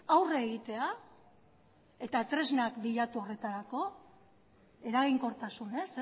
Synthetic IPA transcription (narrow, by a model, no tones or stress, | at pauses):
awreɣit̪e̞a | e̞t̪at̪ɾe̞znakbiʎat̪uo̞re̞t̪aɾako̞ | e̞ɾaɣ̞iŋko̞ɾt̪asune̞s